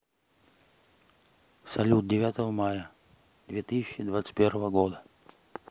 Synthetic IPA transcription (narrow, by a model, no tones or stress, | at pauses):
sɐlʲut̪̚dʲɪvʲat̪əvəmajə | d̪̥vʲet̪ɨsʲɪɕːɪd̪vat̪sɨ̥tʲpʲervəvəɡod̪ə